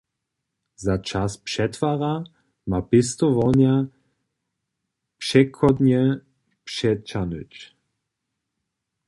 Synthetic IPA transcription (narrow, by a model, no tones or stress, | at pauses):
zat͡ʃaspʂɛt̪vaʁa | mapɪst̪ɔvɔnja | pʂɛkʰɔd̪ɲɛ | pʂɛt͡ʃanʏt͡ʃ